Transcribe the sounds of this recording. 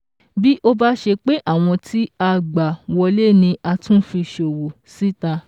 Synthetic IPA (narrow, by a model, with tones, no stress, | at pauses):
bi˦ʔo˧ba˦ʃe˧k͡pe˦ʔa˦˨w̃ɔ̃˧tʰi˦a˧ɡ͡ba˨wɔ˧le˦˨nĩ˧a˧tũ˦fĩ˧ʃo˨wo˨ | si˦ta˧